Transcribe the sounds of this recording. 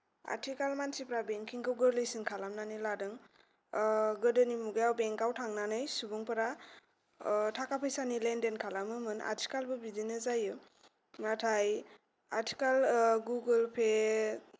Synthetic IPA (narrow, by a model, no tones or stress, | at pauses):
a̰tʰikalmansipɾabeŋkʰiŋkʰɯwɡɯɾlɯjsinkʰalamnaniladɯŋ | ɡɯdɯnimuɡajawbeŋkawtʰaŋnanɯjsubuŋpɯɾa | tʰakapʰɯjsanilendenkʰalamɯmɯna̰ɾtʰi̥kalbɯbidinɯzajɯ | natʰaj | aɾtʰi̥kalɡuɡɯlpʰe